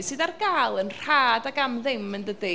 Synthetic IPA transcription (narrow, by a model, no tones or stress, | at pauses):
sɨːdarɡalˠənr̥aːdaɡamðɪməndədi